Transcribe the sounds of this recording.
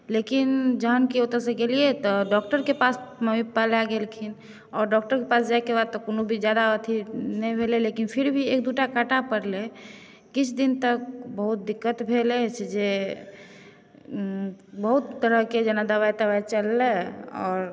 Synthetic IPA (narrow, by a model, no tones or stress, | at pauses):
lekind͡ʒəɦənkiot̪əsẽɡelijet̪ɔɖɔk̚ʈəɾkepasməmipalaɡelkʰin | ɔːɾɖɔk̚ʈəɾkepasd͡ʒaekebad̪̚t̪ɔkonobʱid͡ʒjad̪aət̪ʰinɛjbʱelelekinpʰiɾbʱiek̚d̪uʈakaʈapəɾle | kit͡ʃʰd̪int̪ək̚bəɦut̪̚d̪ikːət̪bʱelet͡ʃʰd͡ʒe | bəɦut̪ːəɾəɦked͡ʒənad̪əβajt̪əβajt͡ʃəlːeɔ̰ːɾ